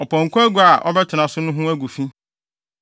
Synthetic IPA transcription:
ɔ˨pʰɔ̃˨ŋ̩˨kʰʊ˦æ˦ɡu˨˦a˨ʔɔ̰˦bɛ˦tʰɪ˨nã˨sʊ˦nʊ̃˦ɦʊ̃˦æ˦ɡu˨fĩ˦

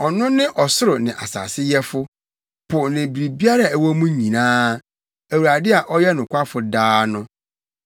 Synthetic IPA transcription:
ɔ˨nʊ̃˦nɪ̃˦ʔɔ˨sʊ˦ɾʊ˨nɪ̃˨ʔa̰˨sa̰ː˨sɪ˦jɛ˦fʊ˦ | pʰʊ˨nɪ̃˨bi˨ɾi˨bi˦a˦ɾa˨æ˨wɔ˦mũ˦ɲĩ˨nãː˦ | æ˨wu˨ɾa˨dɪ˦a˨ʔɔ˦jɛ˦nʊ̃˨kʷʰa˦fʊ˨daː˦nʊ̃˦

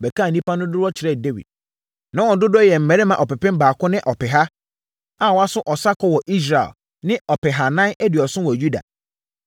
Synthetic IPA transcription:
bɛ˨kʰa˦˨nĩ˦pã˦nʊ̃˦dʊ˦ɾwɔ˦t͡ɕʰɪ˨ɾɛ˦˨de˦wḭ˨d̥̚ | nã˦wɔ̃˨˦dʊ˦dʊ˦jɛ˨m̩˨mɛ̃˨ɾe˦mã˨ʔɔ˨pɛ˨pɪ̃˦mbaː˨kʊ̃˦nɪ̃˦ʔɔ˨pʰɛ˨ɦa˦ | a˨wɔ˦a˦sʊ˦ʔɔ˨sa˦kʰɔ˦wɔ˨ʔi˦s̬ɾa̰˨l | nɪ̃˦ɔ˨pɪ˨ɦa˨nã˦nʔɛ˦dɪ˨ɔ˨sʊ̃˦wɔ˨ju˦da̰˨

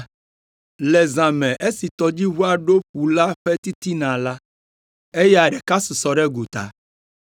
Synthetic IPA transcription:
le˨zã˨mɛ̃˨ʔe˦si˨t̪ɔ˨d͡ʑi˦wu˦a˨ɖo˦ɸu˨la˦ɸɛ˦t̪i˦t̪i˦nã˨la˦ | e˦ja˨ɖɛ˨ka˦su˨sɔ˨ɖɛ˦ɡu˨t̪a̰˨

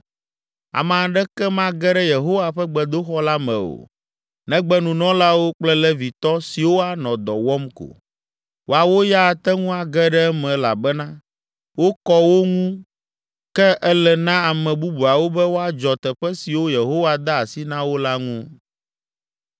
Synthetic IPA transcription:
a̰˨mã˨ɖɛ˦kɛ˦mã˦ɡɛ˦ɖɛ˦je˨ɦo˦wa˨ɸɛ˦ɡ͡bɛ˨d̪o˦xɔ˦la˦mɛ̰̃˨o̰˨ | nɛ̃˦ɡ͡bɛ˦nũ˨nɔ̃˦la˦wo˦k͡plɛ˦lɛ˦vi˨t̪ɔ˦si˨wo˦a˨nɔ̃˨d̪ɔ˨wɔ˦mko̰˨ | wʔo˦a˨wo˦ja˦˨t̪ɛ˦ŋũ˦a˨ɡɛ˦ɖɛ˦ɛ˦mɛ̃˨la̰˨bɛ˦nã˦ | wo˦kɔ˦wo˦ŋũ˦ | kɛ˦ʔɛ˦lɛ˨nã˦a˨mɛ̃˨bu˦bu˨a˨wo˦bɛ˦wo˦a˨d͡ʒɔ˨t̪ɛ˨ɸɛ˦si˨wo˦je˨ɦo˦wa˨d̪a˦a˨si˦nã˦wo˦la˦ŋũ˦

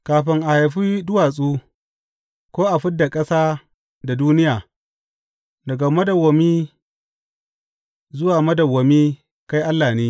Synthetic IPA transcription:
kaː˨ɸɪ˦ŋʔa˨ha˨jɸiː˦dʊ˦waː˨s̬ʼuː˦ | kʷoː˦ʔa˨ɸɪ˦dːa˨kʼɐ˦saː˦ | da˨duː˦nɪ˦jaː˨ | dɐ˨ɡa˨mɐ˦dɐ˨wːɐ˨miː˦ | zʊ˦waː˨mɐ˦dɐ˨wɐ˨miː˦ | ka˦jʔa˦lːaː˨niː˦

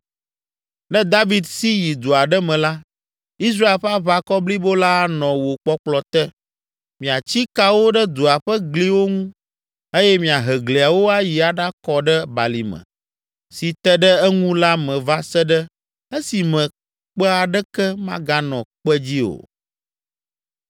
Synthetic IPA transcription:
nɛ̃˦d̪a˦vi˨d̪si˦ji˨d̪o˨a˨ɖɛ˦mɛ̃˨la˦ | i˦s̬ɾa˦e˨lɸa˦βa˦kɔ˦bli˦bo˦la˦nɔ̃˨wo˨k͡pɔ˦k͡plɔ˨t̪ɛ˦ | mĩ˨a˨t͡ɕi˦ka˦wo˦ɖə˦d̪o˨a˨ɸə˦ɡli˦wo˦ŋũ˦ | e˦jɛ˦mĩ˨a˨ɦɛ˨ɡli˨a˨wo˦a˦ji˨a˨ɖa˦kɔ˦ɖə˦ba̰˨li˨mɛ̰̃˨ | si˨t̪ɛ˦ɖə˦ɛ˦ŋũ˦la˦mɛ̃˨va˦sɛ˦ɖə˦ | ɛ˦si˨mɛ̃˨ | k͡pɛ˦a˨ɖɛ˦kɛ˦mã̰˦ɡa˦nɔ̃˨k͡pɛ˦d͡ʑi˦o̰˨

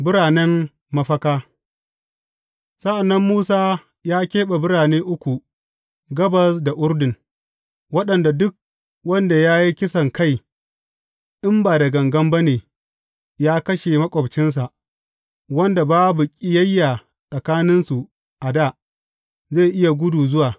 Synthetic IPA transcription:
bɪ˦ɾaː˨nɛ˦m | mɐ˦ɸɐ˦kaː˦ | sɐ˦ʔa˨nːɐ˦mːuː˦saː˦ | jaː˦kʲeː˦ɓa˨bʊ˦ɽaː˨neː˦ʔʊ˦kʷu˨ | ɡɐ˦bɐ˨sda˨ʔʊ˦ɾdɪ˨ŋ | wɐ˦ɗɐ˨nda˨dʊ˦k̚ | wɐ˦nda˨jaː˦ji˦kʲɪ˦sɐ˨ŋka˦˨j | ʔɪ˦mbaː˨dɐ˨ɡɐ˨ŋɡɐ˦mbɐ˦neː˨ | jaː˦kɐ˦ʃe˨mɐ˦kʷʼɔ˨bt͡ʃɪ˦ns̬a˨ʔ | wɐ˦nda˨baː˦bu˨kʲʼɪ˦jɐ˦jːa˨ | sʼɐ˨kaː˦nɪ˦nsu˨ | ʔa˨da˦˨ | ze˦˨ʔɪ˦ja˨ɡʷʊ˦duː˨zʊ˦waː˨

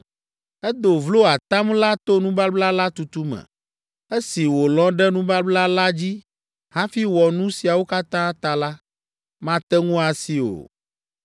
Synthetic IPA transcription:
ɛ˦d̪o˨vlo˦a˨t̪ã˦mla˦t̪o˦nũ˦ba˦bla˦la˦t̪u˨t̪u˦mɛ̰̃˨ | e˦si˨wo˨lɔ̃˦ɖɛ˦nũ˦ba˦bla˦la˦d͡ʑi˦ | hã˦fi˦wɔ˨nũ˦si˨a˨wo˦ka˦t̪ã˦t̪a˨la˦ | mã˦t̪ɛ˦ŋũ˦a˨si˨o̰˨

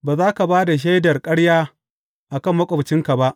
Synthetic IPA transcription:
baː˨zaː˦ka˨baː˦da˨ʃ̬a˦jdɐ˨rkʼɐ˦ɽjaː˦ | ʔa˨kɐ˦mːɐ˦kʷʼɔ˨bt͡ʃɪ˦ŋka˨ba˦ʔ

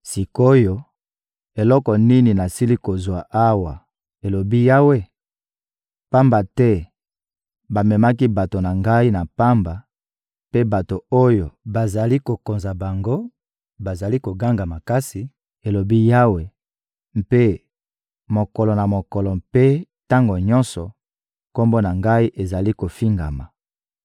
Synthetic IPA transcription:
si˨ko˦jo˦ | e˨lɔ˦kɔ˨ni˦ni˨na˨si˦li˦ko˨zwa˨ʔa˦wa˨ | e˨lo˨bi˦ja˦we˦ | pa˦mba˨tɛ˦ | ba˨mɛ˨ma˦ki˦ba˨to˨na˨ŋɡa˦i˦na˨pa˦mba˨ | pe˦ba˨to˨o˦jo˨ba˨za˨li˦ko˨ko˨nza˨ba˨ŋɡo˦ | ba˨za˨li˦ko˨ɡa˦ŋɡa˨ma˨ka˦si˨ | e˨lo˨bi˦ja˦we˨ | m̩˨pe˦ | mo˨kɔ˨lɔ˨na˨mo˨kɔ˨lɔ˨mpe˦ | ta˦ŋɡo˨ɲɔ˦nsɔ˨ | ko˦mbo˦na˨ŋɡa˦i˦ʔe˨za˨li˦ko˨fi˦ŋɡa̰˨ma˨

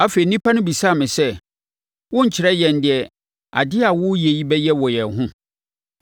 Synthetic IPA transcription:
a˦fe˨i˨nĩ˦pʰa˦nʊ̃˦bi˨sa˦˨mɪ̃˨sɛ˦ | wʊ̃˦ɲ̩˨t͡ɕʰɪ˨ɾɛ˦jɛ˨n̩˨dɪ˨ɛ˨ | a̰˨dɪ˦a˨wʊ˦je˨ji˦bɛ˦jɛ˦wɔ˨jɛ˨n˨ɦʊ̃˦

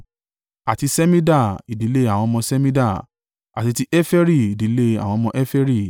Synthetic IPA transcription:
a˨ti˧sɛ˦mĩ˦da˦˨i˨di˨˦le˦a˨w̃ɔ̃˧mɔ̃˧sɛ˦mĩ˦da˦˨ | a̰˨ti˧ti˦ʔɛ˦fɛ˦ɾi˦˨i˨di˨˦le˦a̰˨w̃ɔ̃˧mɔ̃˧ʔɛ˦fɛ˦ɾi˦˨

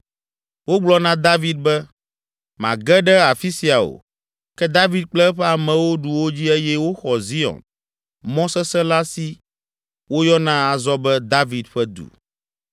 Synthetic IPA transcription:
wo˦ɡ͡blɔ˦nã˦d̪a˦vi˦d̪̚bɛ˦ | mã̰˨ɡɛ˦ɖɛ˦a˨fi˦si˨a˨o̰˨ | kɛ˦d̪a˦vi˦d̪̚k͡plɛ˦ɸɛ˦a˨mɛ̃˨wo˦ɖu˨wo˦d͡ʑi˦e˦jɛ˦wo˦xɔ˨zi˦ɔ̰̃˨n | mɔ̃˦sɛ˦sɛ˦la˦si˦ | wo˦jɔ˦nã˦a˨zɔ˦bɛ˦d̪a˦vi˨d̪ɸɛ˦d̪ṵ˨

